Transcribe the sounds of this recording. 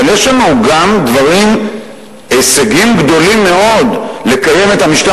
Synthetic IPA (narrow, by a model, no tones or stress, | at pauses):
aljeʃlanuɡamd̪vaʁim | eseɡimɡd̪o̞limːe̞o̞dle̞kaje̞me̞thamiʃt̪a